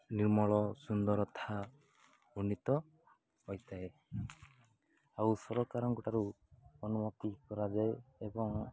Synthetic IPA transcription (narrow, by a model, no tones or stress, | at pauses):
niɾmɔɭɔsund̪ɔɾɔt̪ʰa | unːit̪ɔ | hɔjt̪ae | awsɔɾɔkaɾɔŋkɔʈaɾu | ɔnumɔt̪ikɔɾad͡ʒaeebɔŋ